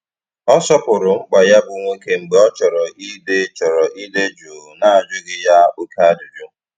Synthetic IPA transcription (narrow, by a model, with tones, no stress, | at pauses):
ɔ˦sɔ˦pʊ˨ɾʊ˨ŋ͡m̩˦k͡pa˨ja˦bʊ˨ŋʷe˦ke˦ŋ͡m̩˨ɡ͡be˨ɔ˦t͡ʃɔ˨ɾɔ˨ʔi˦de˦t͡ʃɔ˨ɾɔ˨ʔi˦de˦d͡ʒu˨na˦a˨d͡ʒʊ˦ɡɪ˨ja˦o˦ka˦a˦dʊ˨d͡ʒʊ˦